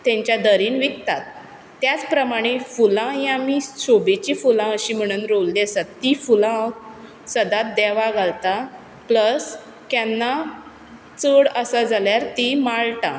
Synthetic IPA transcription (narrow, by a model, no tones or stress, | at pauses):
t̪ẽɲt͡ɕjad̪əɾiːnʋikt̪at̪̚ː | jat͡spɾəmaɽ̃efulãjamiɕobet͡ɕifulãəɕim̤əɽ̃uːnɾolliəsat̪ːifulã | səd̪at̪̚d̪ɛʋaɡʱalt̪a | pləs | kanːa | t͡səɽəsad͡zaljaɾt̪imaɭʈa̰